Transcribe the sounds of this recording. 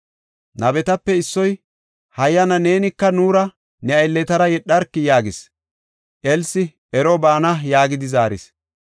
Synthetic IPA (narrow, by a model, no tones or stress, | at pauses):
nɐbɛt̪ɐpːɛɪsːɔj | hɐjːɐnɐne̞ːnɪkːɐnuːɾɐ | nɛɐjlːɛt̪ɐɾɐjɛɗːɐɾkːɪjaːɡɪs | ʔɛlsɪ | ɛɾɔbaːnɐjaːɡɪd̪ɪzaːɾɪ̰s